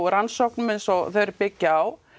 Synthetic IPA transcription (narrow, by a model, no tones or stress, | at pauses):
ɾansɔwhknʏmensɔθœjɾɾpɪcːaaw